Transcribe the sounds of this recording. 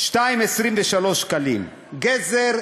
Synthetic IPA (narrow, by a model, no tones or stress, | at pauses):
ʃtaimesʁimveʃalo̞ʃkalḭm | ɡezeʁ